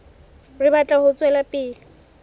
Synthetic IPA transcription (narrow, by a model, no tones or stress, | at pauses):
rɪbat͡ɬʼahʊt͡sʼwɛlapʼɪːlɪ